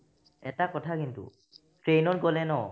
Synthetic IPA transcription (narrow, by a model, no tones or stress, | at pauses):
ɛtakɔtʰakintṵ | tɹejnɔtɡɔlɛnɔ